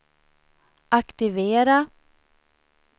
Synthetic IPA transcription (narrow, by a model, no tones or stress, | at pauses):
ʔakt̪ɪveːɾa